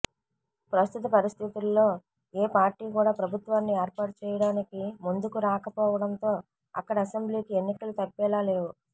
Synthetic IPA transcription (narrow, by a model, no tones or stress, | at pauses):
pɾɐst̪ʰit̪̬ɐpɐɾist̪ʰit̪ulːo̞ː | eːpaːɾʈːiːkuːɽaːpɾɐbʱut̪ʋaːnːieːɾpaːʈɐt͡ʃɛːjɐɽaːnikimund̪ukuɾaːkɐpɔːʋɐɽɐnt̪o̞ː | ɐ̰kːɐɽɐːse̞mbliːkienːikɐlut̪ɐpːɛːlaːle̞ːwu